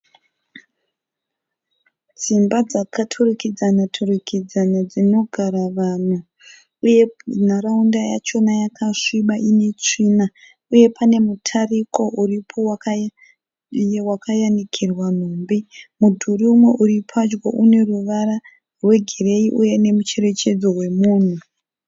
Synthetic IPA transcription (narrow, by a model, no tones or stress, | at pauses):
d͡zimbad͡zakʰatʰurikid͡zanatʰurikʰid͡zanad͡zino̞ɡʱaɾaʋan̤uː | je̞naɾaundaja̰t͡ʃo̞najakʰaʂiɓaʔine̞t͡ʂiːna | uje̞pʰane̞mutʰariko̞ʔuripʰo̞waka | ewakʰajandikʰirwan̤uːmbimudʱuɾiumwe̞ʔuɾipʰad͡ʒɡoʔune̞ruʋaɾa | rwe̞ɡʱere̞iʔuje̞ne̞mut͡ʃe̞ɾe̞t͡ʃe̞d͡zo̞rwe̞muːn̤u